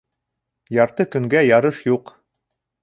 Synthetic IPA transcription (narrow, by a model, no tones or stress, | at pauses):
jɑɾt̪ɤkɵ̆ŋɡæjɑɾɤʃjuq